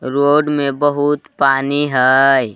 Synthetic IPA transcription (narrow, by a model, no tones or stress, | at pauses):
ɾoːɖmẽbəɦʊt̪paːniɦɛj